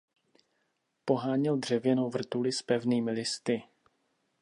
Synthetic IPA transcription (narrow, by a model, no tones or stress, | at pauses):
po̞ɦaːɲɪld̪r̝̥ɛvjɛnowvr̩t̪ulɪspɛvniːmɪlɪst̪ɪ